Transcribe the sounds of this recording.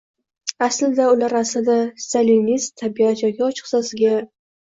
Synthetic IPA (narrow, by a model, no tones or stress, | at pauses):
aslɪd̪aʊlaɾaslɪd̪ast̪alinistt̪ʰːabiat̪jɒɡʲɪɒt͡ʃʰɨ̥qsasɪɡʲa